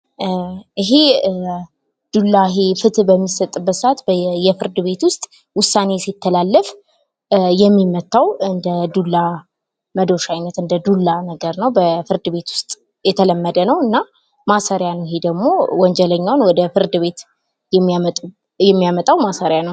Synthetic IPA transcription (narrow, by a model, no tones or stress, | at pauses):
ʔiɦe̞ | d̪̥ulːaɦefɨt̪bəmːisət̪ʼːɨbːət̪sat̪bjɛfɨɾd̪ɨβe̞t̪wʊst̪ʼ | wʊsːane̞sit̪ʰːəlalːəf | jɛmːimət̪ʰːawɨnd̪əd̪ulːa | məd̪o̞ʃajnət̪ɨnd̪əd̪ulːanəɡəɾnəwbəfɨɾd̪ɨβe̞t̪wʊ̥st̪ʼ | jɛt̪ʰələmːəd̪ənəwɨnːa | masaɾjanəwɪɦed̪əɡmo̞wɔnd͡ʒɛləɲːawnwɔd̪əfɨɾd̪ɨβe̞t̪ | jɛ | jɛmːijamət̪ʼawmasaɾjanəw